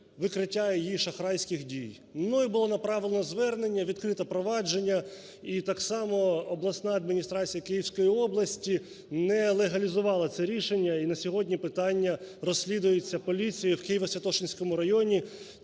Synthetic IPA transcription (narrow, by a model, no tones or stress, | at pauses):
ʋɪkɾɪtʲːajɛjiʃɐxɾɑjsʲkɪxdʲij | nuibʊlˠɔnɐpɾɑʋʲɪlˠnɔzʋɛrne̞nʲːɐʋʲid̪̚kɾɪt̪ɐpɾɔʋɑd͡ʒe̞nʲːɐ | it̪ɑksɑmɔːblˠɐsnɑɐd̪mʲinʲist̪ɾɑt͡sʲijɐkɪjiwsʲkɔjiɔblˠɐsʲtʲi | nɛlˠeɦɐlʲizʊʋɑlˠɐt̪sɛɾʲiʃenʲːɐinɐsʲɔɦɔdʲnʲipɪt̪ɑnʲːɐrɔsʲːlʲid̪ʊjet͡sʲːɐpɔlʲit͡sʲijʊwkɪjiʋɐsʲʋʲɐt̪ɔʃɪnʲsʲkɔmʊɾɐjɔnʲi